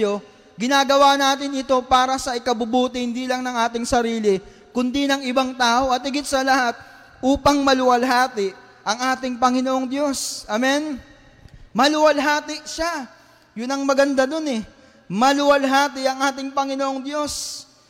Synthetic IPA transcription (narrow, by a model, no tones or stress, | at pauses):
o̞ | ɡɪnaːɡɐwanaːt̪̬ɪnɪt̪o̞paːɾɐsɐʔɪkɐbʊbuːt̪ɪhɪnd̪iːlɐŋnɐŋʔaːt̪ɪŋsɐɾiːlɪ | kʊnd̪inɐŋɪbaŋt̪aːʔo̞ʔɐt̪̚hɪɡɪt̪̚sɐlɐhat̪̚ | ʔuːpɐŋmɐlʊwɐlɦaːt̪ɪʔ | ʔɐŋʔaːt̪ɪŋpɐŋɪnoʔoŋd̪jo̞sʔɐmɛn | mɐlʊwɐlɦaːt̪ɪʔʃa | jʊnɐŋmɐɡɐnd̪ano̞nɛ | mɐlʊwɐlɦaːt̪ɪʔɐŋʔaːt̪ɪŋpɐŋɪnoʔoŋd̪jo̞s